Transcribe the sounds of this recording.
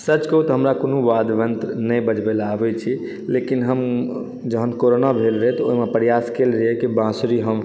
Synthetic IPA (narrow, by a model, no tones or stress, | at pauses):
sət͡ʃkəɦut̪ɦəmɾakonubad̪ʋənt̪nəbəd͡ʒbɛlabɛt͡ʃʰi | lekinɦəm | d͡ʒəɦənkoɾonabʱelɾəɦɛt̪oɦimepɾjaskelɾəɦɛkibãsɾiɦəm